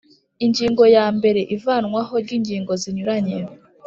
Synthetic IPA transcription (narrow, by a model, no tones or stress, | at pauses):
iɲɟiːŋɡo̞jaːmbe̞ɾe̞ʔivaːnŋwaɦo̞ɾɟiːɲɟiːŋɡo̞ziɲuɾaɲe